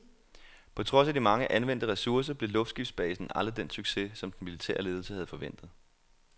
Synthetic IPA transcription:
pʰɒ̽t͡sʰʁɒ̽sæd̥imɑ̈ŋəʔænʋen̰d̥əʁɛsuɐs̬ɐb̥le̝lɔ̽fdsɡ̥ifd̥sb̥ɛ̰ːsn̩ʔæləd̥ensyɡ̥se̝sɒ̽md̥n̩milit͡sʰḛːɐle̝ːðˠl̩səhæð̞̩ˠfɒ̽ʋen̰d̥ð̞̩ˠ

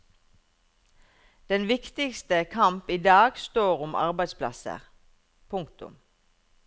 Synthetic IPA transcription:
d̪̥ɛnʋɪkt̪ɪkst̪əkʰɑmpiːd̪ɑːɡst̪oːʁʊmʔɑ̰ʁbæɪd̪spʰlɑ̰sə̰ʁ | pʰʊŋkt̪ʊ̰m

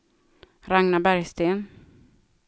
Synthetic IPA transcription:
ɾaŋnabæɾjst̪eːn

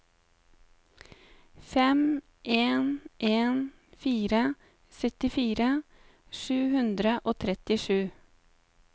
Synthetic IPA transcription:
fɛm | ʔeːnʔeːn | fiːɾə | sœt̪ɪfiːɾə | ʃʉːhʉnd̪ɾəʔoːt̪ʰɾɛt̪ɪʃʉː

